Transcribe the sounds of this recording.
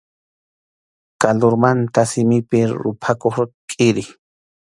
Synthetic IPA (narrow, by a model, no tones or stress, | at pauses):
kaloɾmant̪asɪmɪpɪɾʊ̰pʰakoχɾkʼɪɾɪ